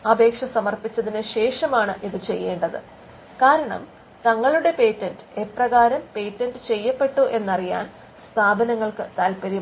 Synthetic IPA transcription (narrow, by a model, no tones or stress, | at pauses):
ɐbʱe̞ːkʂɐsɐmɐrpit͡ɕːɐðinɨɕe̞ːʂɐmaːɳɨʔiðɨt͡ɕe̞jːe̞ːɳɖɐðɨ̰ | kaːɾɐɳɐ̰m | t̪ɐŋːɐɭuɽe̞pe̞ːtːɐndɨe̞prɐɣaːɾɐmpe̞ːtːɐndɨt͡ɕe̞jːɐpːe̞ʈːuʔe̞nːɐrija̰ːn | st̪ʰaːbɐnɐŋːɐɭkɨt̪aːlpɐɾi